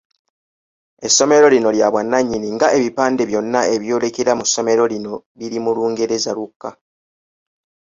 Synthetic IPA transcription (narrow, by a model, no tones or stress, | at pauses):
e̞sːo̞me̞ɾo̞lino̞ljaβwanːaɲːiniŋɡaeβipaːnde̞βjo̞nːae̞βjo̞ːle̞keɾamusːo̞me̞ɾo̞lino̞ | βiɾimuluːŋɡeɾezaɾukːa